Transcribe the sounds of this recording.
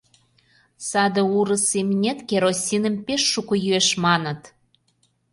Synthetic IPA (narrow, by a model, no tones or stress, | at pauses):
sɑd̪ə̆uɾə̆semnʲet̪kʲeɾosʲinə̆mpeʃːukojyeʃmɑnə̆t̪